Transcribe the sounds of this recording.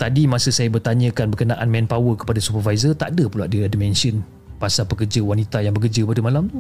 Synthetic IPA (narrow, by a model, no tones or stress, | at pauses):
t̪adimãsəsajabərt̪aɲə̃kanbərkənãʔanmɛ̃npawəkə̥padasupərvajzət̪a̰ʔdəpulaʔdiadimɛ̃nsiən | pasapəkərd͡ʒəwanit̪ajaŋbəkəd͡ʒəpadəmalam